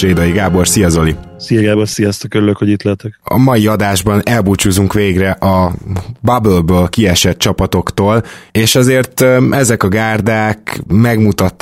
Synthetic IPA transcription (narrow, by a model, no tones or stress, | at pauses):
reːd̪ɒjiɡaːbo̞rsijɒzo̞lisijɛɡaːbonsijɒst̪ɒkøɾyløkhoɟit̪lɛt̪ɛkɒ̰mɒjiɒd̪aːʒbɒnɛlbuːt͡ʃuzuŋkʋeːɡrɛʔɒbɒbølbøːlkiɛʃɛt̪̚t͡ʃɒpɒt̪o̞kt̪oːleːʃɒzeːrt̪ɛzɛkɒɡaːrd̪aːkmɛɡmut̪ɒt̪ː